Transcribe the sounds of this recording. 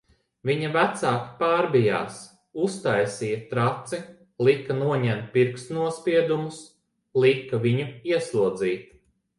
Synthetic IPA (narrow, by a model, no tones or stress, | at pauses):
viɲɐvæt̪saːki̥paːɾbija̰ːs | ust̪ajsijɐt̪ɾat̪si | lˠikːɐnuɔɲɛnt̪̚piɾksnuɔspʲiɛd̪umus | lˠikːɐviɲuiɛslˠuɔd̪ziːt̪